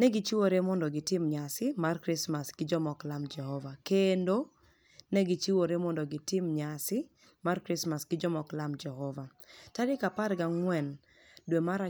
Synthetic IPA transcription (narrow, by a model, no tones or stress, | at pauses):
nɛɡɪt͡ʃiwoɾemɔndɔɡɪtɪmɲasɪmarkɾɪsmasɡ̥ɪd͡ʒɔmɔklamd͡ʒɛhɔvakendo | nɛɡɪt͡ʃiwoɾemɔndɔɡɪtɪmɲasɪ | markɾɪsmasɡ̥ɪd͡ʒɔmɔklamd͡ʒɛɦɔva | taɾɪkapaɾɡaŋwɛn | dwemaɾa